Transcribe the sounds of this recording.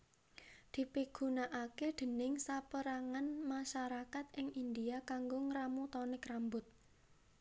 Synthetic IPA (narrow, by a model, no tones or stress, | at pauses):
d̪̥i̤piɡ̥unaʔaked̪̥ə̤nɪŋsapəɾaŋanmaʃaɾakat̪ɪŋind̪iakaŋɡoŋɾamut̪ɔnɪkrambʊt̪̚